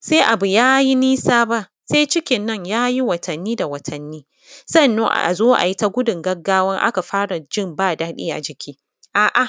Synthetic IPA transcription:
seː˦ʔa˨bu˨jaː˦ji˦niː˦saː˦ba˦ʔ | seː˦t͡ʃɪ˦kʲɪ˨nːɐ˦˨ɲjaː˦ji˦wɐ˨tʰɐ˨nːiː˦da˨wɐ˨tʰɐ˨nːiː˦ | sɐ˦nːo˦ʔa̰˨a̰˨zoː˦ʔa̰˨ji˦ta˦ɡʷʊ˦dʊ˨ŋɡɐ˦ɡːaː˦wɐ˦ŋʔa̰˦ka˨ɸaː˦ɽa˨d͡ʒɪ˦mbaː˦˨daː˦ɗḭː˦ʔa̰˨d͡ʒɪ˨kʲʰiː˦ | ʔaː˨ʔa˨

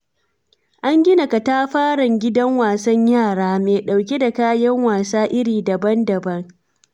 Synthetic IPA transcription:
ʔa˦ŋɡʲɪ˦na˨ka˨ta˦ɸaː˦ɽɐ˨ŋɡʲɪ˦dɐ˦ŋwaː˨sɐ˦ɲjaː˦˨ɽaː˦meː˨ɗa˨wk̬ʲe˦da˨kaː˦jɐ˦ŋwaː˨saː˦ʔɪ˦ɽiː˨dɐ˨bɐ˦ndɐ˨bɐ˦ŋ

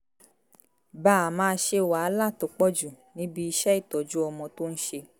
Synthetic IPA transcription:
ba˨a˨mãː˧n̩˦ʃe˧˨wa˨a˦la˦˨to˨k͡pɔ˦d͡ʒu˨ | nĩ˨˦bi˧i˧ʃɛ˦i˦˨tɔ˨d͡ʒu˦ɔ˧mɔ̃˧to˦n̩˦ʃe˧

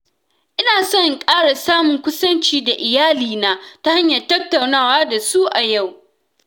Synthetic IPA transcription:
ʔɪ˦naː˨sɔ˦ŋkʼaː˦ɽa˨saː˦mʊ˨ŋkʷʊ˦sɐ˦nt͡ʃiː˦da˨ʔɪ˨jaː˦liː˨naː˦ta˦ha˦ɲjɐ˨rtɐ˦tːa˨wnaː˦˨waː˦da˨suː˦ʔa˨ja˦˨w

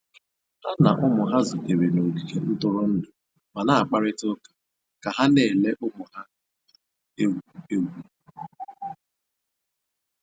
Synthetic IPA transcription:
ha˦na̰˨ʔʊ˦mʊ˨ɦa˦zʊ˨te˨we˨no˨ɡi˨ke˨n̩˦tʊ˦ɾʊ˦n̩˦nʊ˨ | ma˨na˦a˨k͡pa˦ɾɪ˦tʊ˦kḁ˨ | ka˨ɦa˦ne˨le˦ʔʊ˦mʊ˨ha˦ | e˦˨e˦wi˦

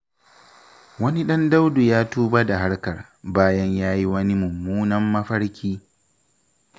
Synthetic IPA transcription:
wɐ˦ni˦ɗɐ˦nda˦wdu˨jaː˦tuː˦ba˦da˨ɦa˦ɽkɐ˨r | baː˦jɐ˦ɲjaː˦ji˦wɐ˦ni˦mʊ˨mːuː˦nɐ˦mːɐ˦ɸɐ˦ɽkʲʰiː˦

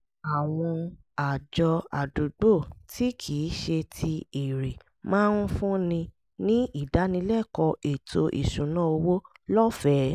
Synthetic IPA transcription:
a˨w̃ɔ̃˧ | a˨d͡ʒɔ˧a̰˨du˨ɡ͡bo˦˨ti˦kʰi˨˦ʃe˧tʰi˧i˨ɾe˨ | mãː˦nũ˦fũ˦nĩ˧ | nĩ˦i˦˨da˨˦nĩ˧lɛ˦˨kɔ˧ʔe˨tʰo˧ʔḭ˨ʃũ˨nãː˨˦o˧wo˦lɔ˦fɛ˨˦

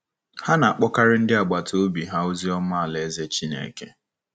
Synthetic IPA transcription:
ha˦na˨a˨k͡pɔ˦ka˦ɾɪ˦n̩˦dɪ˦a˨ɡ͡ba˨tʰo˦bi˨ɦa˦o˦zi˦ɔ˦ma˦a˨le˨˦ze˦t͡ʃi˦nḛ˨ke˦

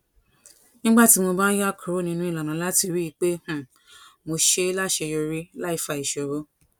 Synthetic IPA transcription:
nĩ˦ɡ͡ba˦˨ti˨˦mo˧ba˦ja˦˨kʰũ˨ɾo˨˦nĩ˧nũ˦i˧˨la˨nã˨˦la˦ti˧ɾi˦i˧˦k͡pe˦hũ˨ | mo˧ʃe˦la˦ʃe˧jo˧ɾi˦la˦i˧fa˧˨i˨ʃo˨ɾo˨˦

